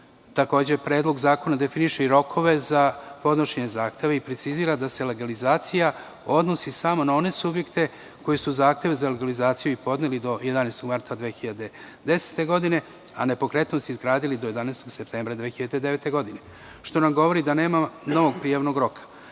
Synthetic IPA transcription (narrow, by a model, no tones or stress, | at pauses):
t̪ako̞ːd͡ʑepɾe̞ːd̪lˠo̞ɡzaːko̞nad̪e̞finiʃeiɾo̞kʰo̞ʋe̞zapo̞d̪noʃeɲe̞zaːxt̪eʋeipɾet̪siziːɾad̪ase̞le̞ɡalizaːt̪sija | o̞d̪nosisamo̞nao̞ne̞subje̞kt̪e̞ | ko̞jesuzaːxt̪e̞ʋezaleɡalizaːt̪sijuipo̞d̪nelid̪o̞je̞d̪aneːst̪o̞ɡmaɾt̪ad̪ʋexiʎad̪e | d̪e̞se̥t̪e̞ɡo̞d̪ine̞ | a̰ne̞po̞kɾe̞t̪nost̪izɡɾaːd̪ilid̪oje̞d̪aneːst̪o̞ɡse̞p̚t̪e̞ːmbɾad̪ʋexiʎad̪e̞d̪e̞ʋe̞t̪e̞ɡo̞d̪ine | ʃt̪o̞namɡo̞ʋo̞ɾid̪ane̞ːmano̞ʋo̞ɡpɾijaʋnoɡɾo̞kʰḁ